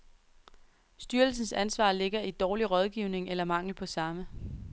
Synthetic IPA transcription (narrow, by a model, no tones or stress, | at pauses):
sd̥yːɐl̩s̬n̩sænsʋɑ̰̈ːle̝ɡ̥ɐid̥ɒːliʁɒ̽ð̞ˠɡ̥iʊ̰ne̝ŋelɐmɑ̈ŋ̰l̩pʰɒ̽sɑ̈mə